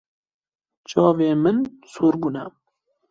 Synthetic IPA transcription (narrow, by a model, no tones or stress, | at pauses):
t͡ʃɑːveːmɨnsuːɾɡunɛ